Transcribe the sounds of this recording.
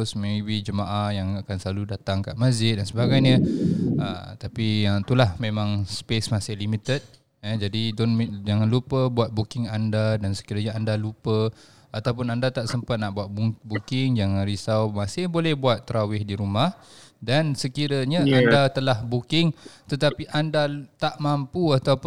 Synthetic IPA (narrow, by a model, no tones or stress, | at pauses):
smẽwid͡ʒəmaʔahjaŋakansəlaludat̪aŋka̰ʔmasd͡ʒɪt̪̚dansəbaɡajɲəə̰t̪apiət̪ulahmẽmãŋspesmasɪhlimit̪ət̪̚ | əd͡ʒadidʊnd͡ʒaŋanlupəbuat̪̚bukɪŋandadansə̥kiɾaɲaandalupə | at̪awpʊnandat̪aʔsəmpat̪̚naʔbuat̪̚bubukɪŋd͡ʒaŋanɾisawmasɪhbolɛhbuat̪ːɾawɪhdiɾumahdansəkiɾaɲaʔandat̪əlahbukɪŋt̪ət̪apiʔandat̪aʔmampuat̪awp